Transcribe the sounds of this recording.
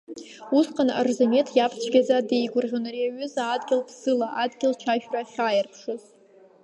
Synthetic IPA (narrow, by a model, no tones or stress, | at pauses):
usqʼana̰rzame̞tʰjapʰt͡ʃʷʰɡʲazadejɡʷʊrʁʲonariaɥʏzaːdɡʲɪlpʰsɨlaʔadɡʲɪlt͡ʃʷʰaʒᶣraχʲaːjɪrpʰʂɨz